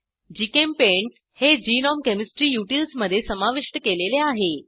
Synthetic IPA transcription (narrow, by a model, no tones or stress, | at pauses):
d͡ʑikempeɳʈ | hed͡ʑinɔmkemisʈɾiːjuʈilsməd̪ʱːjesəmaʋiʂʈəkeleleaɦe